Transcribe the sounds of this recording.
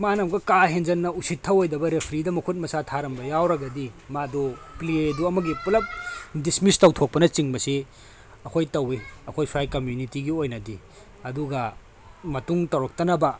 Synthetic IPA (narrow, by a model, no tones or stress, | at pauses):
manɐmɡɐkaɦend͡ʒɐnːɐusitʰːɐwojdɐbɐɾepʰɾidɐmɐkʰut̚mɐsatʰaɾɐmbɐjawɾɐɡɐdimadoplieduɐmɐɡipulɐp̚dismistɐwtʰok̚pɐnɐt͡ʃiŋbɐsi | ɐkʰojtɐwiɐkʰojpʰɾajkɐmjunitiɡiojnɐdi | ɐduɡɐ | mɐtuŋtɐwɾɐk̚tɐnɐbɐ